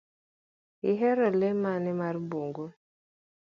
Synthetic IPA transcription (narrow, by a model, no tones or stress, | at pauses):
iɦɛɾɔlemanɪmaɾbuŋɡu